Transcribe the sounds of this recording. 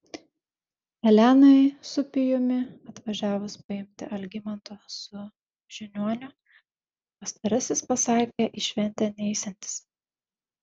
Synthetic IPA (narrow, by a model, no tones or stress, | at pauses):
ɛlʲæːnɐɪsʊpʲɪjʊmʲɪɐt̪ʋɐʒʲæːʋʊspɐɪmʲt̪ʲɪ̰ʔɐlʲɡʲɪmɐnt̪osʊ | ʒ̥ʲɪnʲuɔnʲʊ | pɐst̪ɐɾɐsʲɪspɐsɑːkʲeʔiʃʲʋʲɛnʲt̪ʲɛːnʲɛɪsʲɛnʲt̪ʲɪ̥s